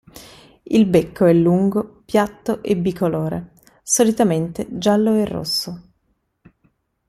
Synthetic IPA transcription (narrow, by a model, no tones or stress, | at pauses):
ilbekʰːoɛlːuŋɡopjat̪ːoʔebːikʰoloːɾḛ | solit̪ament̪ed͡ʒalːoerːo̰sːo